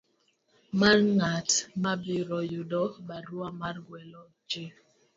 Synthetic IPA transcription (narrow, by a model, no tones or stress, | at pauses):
marŋatmabiɾɔjudɔbaɾwamarɡwɛlɔ | d͡ʒe